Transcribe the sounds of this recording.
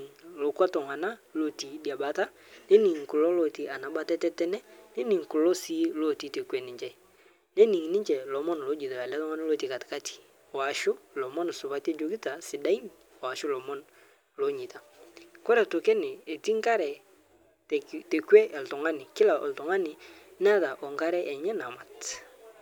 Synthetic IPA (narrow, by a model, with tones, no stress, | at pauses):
ŋlo˨kwa˦tɔ˨ŋa˨na˦lo˨ti˨di˨a˨ba˨ta˦ | ne˦ni˨ŋkʊ˨lɔ˦lo˨ti˨ʔa˨na˨ba˦tɛ˦tɛ˦tɛ˦nɛ˦ne˦ni˨ŋkʊ˨lɔ˦si˦lo˦˨ti˨te˨kwɛ˨nɪ˨ɲt͡ʃɛ˦ | ne˦nɪ˨ŋnɪ˦ɲt͡ʃɛ˨lɔ˨mɔ˦nlo˨˦d͡ʒi˨ta˨a˨la˦tɔ˦ŋa˦na˦lo˦˨ti˨ka˨tɪ̥˨ka˦tʰi̥˨ | a˨ʃʊ˦lɔ˨mɔ˦n˨sʊ˨βa˨˦te˦d͡ʒo˨ɡi˦ta˨sɪ˨da˦i˦n˨ | a˨ʃʊ˦lɔ˨mɔ˦n | lɔ˨˦ɲi˨ta˨kɔ˦ɾɛ˨tʊ˨kɛ˦nɪ˨e˨ti˦ŋ˦ka˦ɾɛ˨ | tte˨kwɛ˦ʔɛ˨ltɔ˨ŋa˦nɪ˨kɪ˦la˨ʔɔ̰˨ltɔ˨ŋa˦nɪ˨n˦a˦ta˨ʔɔ˨ŋka˦ɾɛ˦ʔɛ˨ɲɛ˦na˨ma˨t